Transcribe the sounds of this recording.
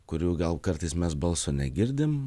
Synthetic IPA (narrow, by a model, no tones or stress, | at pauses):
kʊɾʲuːɡɐlˠkɐɾt̪ɐɪsmʲɛsbɐlˠsoːnʲɛɡʲɪɾʲd̪ʲɪm